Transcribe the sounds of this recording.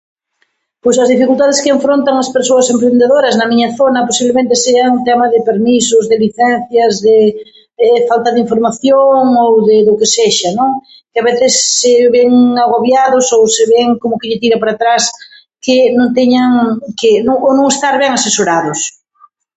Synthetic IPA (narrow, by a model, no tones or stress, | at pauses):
pojsɐzðifikult̪aðɪskɪeɱfɾont̪aŋaspeɾsoɐsempɾend̪eðoɾɐznɐmĩɲɐθonɐposiβlemẽnt̪eseat̪ɛmaðɪpeɾmisʊzðeliθɛn̟θjɐzðɪ | ɛfalt̪ɐðɪiɱfoɾmaθjoŋowðɪðʊkeseʃanõŋ | kɪaβeθɪsːɪβɛŋaɣoβjaðʊsowseβɛŋkomʊkɪʎɪt̪iɾapaɾat̪ɾas | kɪnõŋt̪ɛɲaŋkɪnõŋonõŋest̪aɾβɛŋasesoɾaðʊs